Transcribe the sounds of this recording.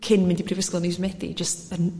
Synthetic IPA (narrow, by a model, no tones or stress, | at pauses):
kʰɪnmɪndipʰrivɪsklˠənizmɛdḭd͡ʒəstən